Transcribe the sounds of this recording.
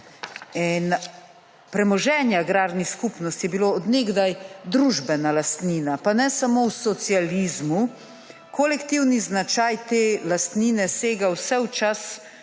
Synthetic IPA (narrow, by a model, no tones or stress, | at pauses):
ɛn | pɾɛmɔʒɛːnjaɡɾaːɾniskuːpnɔst̪jɛbiloːɔd̪neɡd̪ajd̪ɾuʒbɛnalast̪niːnapanɛsamowsɔt̪sialiːzmu | kɔlɛkt̪iwniznat͡ʃajt̪eːlast̪niːnɛseːɡawsɛwt͡ʃas